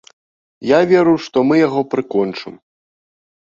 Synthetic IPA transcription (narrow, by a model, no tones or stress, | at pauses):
javʲɛɾuwʂt̪ɔmɨjaɣɔpɾɨkɔnt͡ʂɨm